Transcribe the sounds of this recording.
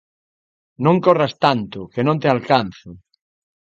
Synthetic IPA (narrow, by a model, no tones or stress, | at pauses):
nõŋkorast̪ant̪ʊkenõnt̪ealkan̟θʊ